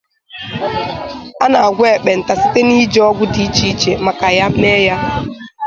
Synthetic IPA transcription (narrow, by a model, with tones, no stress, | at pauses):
a˦na˨a˨ɡʷe˦˨k͡pe˨n̩˨ta˨si̥˦te˦ni˦d͡ʒɔ˦ɡʷʊ˦di˨˦t͡ʃi˦t͡ʃe˨ma˨ka˨ja˦ne˦ja˦